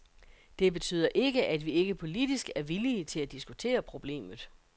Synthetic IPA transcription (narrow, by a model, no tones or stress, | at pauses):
d̥e̝be̝t͡sʰy̰ːð̞̰ˠɐʔe̝ɡəʔæd̥ʋie̝ɡ̥əpʰo̝lid̥isɡ̥æɐʋiliət͡sʰe̝læd̥isɡ̥ut͡sʰe̝̰ːɐpʰʁo̝b̥le̝̰ːmð̞̩ˠ